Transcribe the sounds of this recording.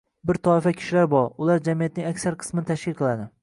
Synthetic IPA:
bɪɾt̪ʰɒɪfakʲʰɪ̥ʃɪlaɾbɒɾʊlaɾd͡ʒamijat̪̚nɪŋakʲsaɾqʰɨ̥smɪnt̪ʰaʃkʲʰɪlˠqʰɨlˠad̪ɪ

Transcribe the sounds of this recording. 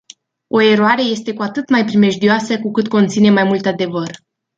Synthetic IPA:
o̞e̞ɾoaɾe̞je̞st̪e̞kuat̪ɨt̪majpɾime̞ʒd̪ioasəkukɨt̪̚ko̞nt̪sine̞majmult̪ad̪e̞vər

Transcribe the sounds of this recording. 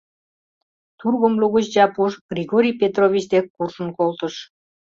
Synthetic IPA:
t̪urɣomluɣət͡ɕd͡ʑɑpuʃɡ̥rʲiɣoɾʲijpet̪rovʲit͡ɕd̪ekːurʃə̆nkolt̪əʃ

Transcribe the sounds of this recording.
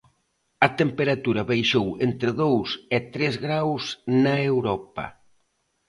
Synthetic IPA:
ɐt̪empeɾat̪uɾɐβejʃowent̪ɾɪðowset̪ɾezɣɾawsnaewɾɔpɐ̰

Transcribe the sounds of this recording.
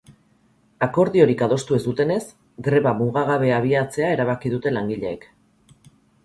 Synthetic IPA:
ako̞ɾðio̞ɾikaðo̞st̪ue̞zd̪ut̪e̞ne̞s | ɡɾe̞βamuɣaɣ̞aβe̞aβ̞iat͡se̞ae̞ɾaβ̞akiðut̪e̞laŋɡiʎe̞ːk

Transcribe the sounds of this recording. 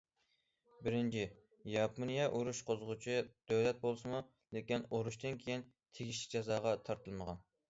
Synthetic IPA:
bɪɾɪnt͡ʃʰi | jɑpʰonijɛʔuɾuʃqʰozʁʊt͡ʃʰid̪̥øwlɛt̪̚bolˠsɨmu | lekʲinoɾuʃt̪ɨnkʲʰejin | t̪ʰeɡʲiʃ̬lɪ̥k̚ʲd͡ʒɑzɑːʁɑt̪ʰɑɾt̪ʰɨlˠməʁɑn

